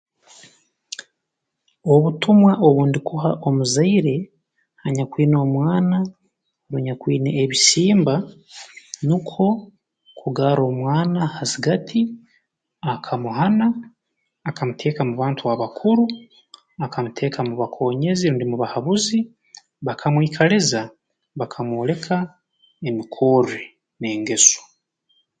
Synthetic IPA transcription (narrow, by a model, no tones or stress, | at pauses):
o̞βutumwaʔo̞βuːndikuɦaʔo̞muzaiɾe̞ | haɲakwiːno̞ːmwaːna | ɾuɲakwiːneʔːβisiːmba | nikʰo̞ | kʰuɡaɾo̞ːmwaːnahaziɡatʰi | akʰamuɦanaː | kamutʰe̞ːkamuβaːntuβaβakʰuɾu | akamutʰe̞ːkʰamuβakʰo̞ːɲe̞ziɾundimuβahaβuzi | βakʰamwiːkʰaleza | βakʰamwoːle̞kʰa | emikʰo̞ɾe | ne̞ːŋɡe̞so̥